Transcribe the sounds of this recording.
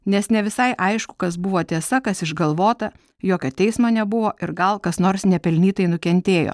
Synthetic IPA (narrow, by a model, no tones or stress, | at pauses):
nʲɛsnʲɛʋʲɪsɐɪʔɐɪʃkʊ̥kɐs̬bʊʋoːt̪ʲeɛsɐkɐsɪʒɡɐlˠʋoːt̪ɐ | joːkʲoːt̪ʲɛɪsmɐːnʲɛbʊʋoːʔɪɾɡɐlˠkɐsnoːɾsnʲɛpʲɛlʲnʲiːt̪ɐɪnʊkʲɛnʲt̪ʲeːjo̰ː